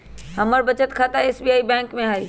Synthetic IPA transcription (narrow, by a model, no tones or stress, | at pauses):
ɦɐməɾbɐt͡ɕət̪kʰaːt̪aeːsbiaːibɛ̃ːŋkmẽɦaːi